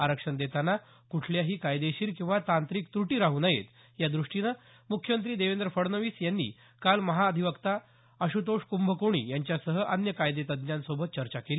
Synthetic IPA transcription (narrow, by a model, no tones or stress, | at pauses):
aɾəkʂəɳd̪et̪anːa | kuʈʰljaɦiːkajd̪eɕiːɾkĩw̃ʋat̪ant̪ɾiːkt̪ɾuʈiːɾaɦuːnajḛt̪ | jad̪ɾuʂʈinə | mukʰːjəmənt̪̬ɾiːd̪eʋend̪ɾəfəɽnəʋiːsjanːḭː | kalməɦaəd̪ʱiʋəkt̪a | əɕut̪oʂkumbʱəkoɽ̃ḭːjaɲt͡ɕjasəɦəʔənjəkajd̪et̪əd̪njãnsobʱət̪̚t͡ɕəɾt͡ɕakeli